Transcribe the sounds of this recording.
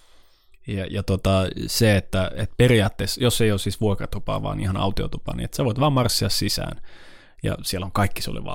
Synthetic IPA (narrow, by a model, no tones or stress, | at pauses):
jɑjɑt̪ot̪ɑseet̪ːæet̪periɑːt̪ːesjosːeijoːssiːsʋuokrɑt̪upɑ̰ːʋɑ̰ːnḭhɑnɑ̰ut̪io̰t̪upɑ̰ːnḭḛt̪seʋoit̪ʋɑːmɑrsːiɑssisæ̰ːn | jɑ̰sielːoŋkɑikːi̥sṵlḛʋɑ̰